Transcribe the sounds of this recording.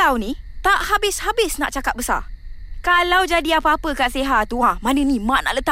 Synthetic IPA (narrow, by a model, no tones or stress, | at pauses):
awnĩt̪aʔhabɪshabɪsna̰ʔt͡ʃakat̪̚bəsa̰kalawd͡ʒadiapəapəkaʔseɦauahmanə̃nĩmaʔna̰ʔlət̪a